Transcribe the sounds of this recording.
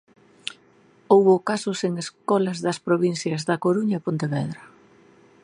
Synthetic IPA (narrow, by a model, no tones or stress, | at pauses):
owβʊkasʊseŋeskɔlɐzðɐspɾoβin̟θjɐzðɐkoɾuɲɐepõnt̪eβɛðɾɐ